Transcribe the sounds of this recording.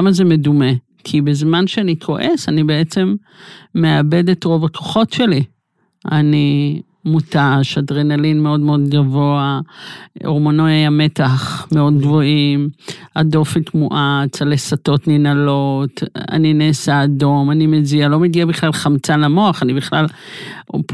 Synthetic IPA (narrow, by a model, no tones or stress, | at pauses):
mazemedume̞ | kʰibezmanʃeanikʰo̞ʔe̞sanibee̞t͡se̞mː | eabe̞detʁo̞vakʰo̞̥χo̞tʃe̞li | ani | mutaʃadʁenalinmeo̞dmeo̞d̪ɡavo̞a | oʁmonoajame̞taχmeo̞d̪̚ɡvoimado̞fitmuʔat͡salesato̞tninalo̞ta̰nineːsaːdo̞manimezialo̞meɡiabiχlalχamt͡salamo̞aχanibiχlal | p